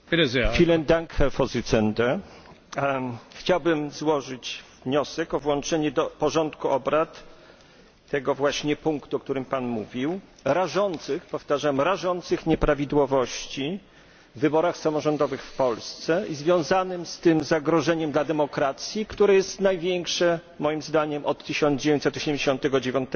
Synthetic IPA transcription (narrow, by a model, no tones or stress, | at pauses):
fʲilɛnd̪aŋkɛfɔzɨt̪sɛnd̪ɛ | xt͡ɕawbɘmzwɔʐɘt͡ɕvɲɔsɛkɔvwɔ̃nt͡ʂɛɲɛd̪ɔpɔʐɔnt̪kuʔɔbɾat̪ | ɛɡɔvwaɕɲɛpuŋkt̪uɔk̚t̪uɾɘmpanmuvʲiw | ɾaʐɔnt̪sɘxpɔft̪aʐamɾaʐɔnt̪sɘxɲɛpɾavʲid̪wɔvɔɕt͡ɕi | vːɘbɔɾaxsamɔʐɔnd̪ɔvɘxfpɔlst̪sɛizvʲjɔ̃w̃zanɘmst̪ɘmzaɡɾɔʐɛɲɛmd̪lad̪ɛmɔkɾat̪sʲjikt̪uɾɛjɛst̪najvʲjɛŋkʂɛ | mɔjimzd̪aɲɛmʔɔt̪ːɘɕɔnd̪d͡ʑevʲj̃ɲt͡ɕsɛt̪ːɔɕɛmʲɲd͡ʑeɕɔ̃nt̪ɛɡɔd͡ʑevʲjɔ̃nt̪ɛ